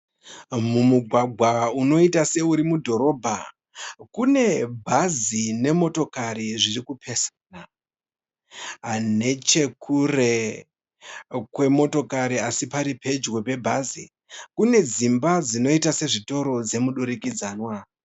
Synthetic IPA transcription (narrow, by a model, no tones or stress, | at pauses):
mumuɡʱwaɡʱwauno̞itase̞uɾimudʱo̞ɾo̞bʱa | kune̞bʱazine̞mo̞to̞kaɾiʐirikupʰe̞sana | ɦane̞t͡ʃe̞kʰure̞ | kwe̞mo̞to̞kaɾiasipaɾipʰe̞d͡ʒɣo̞pe̞bʱazi | kune̞d͡zimbad͡zino̞itase̞ʐito̞ɾo̞d͡ze̞muɗuɾikid͡zaːnwa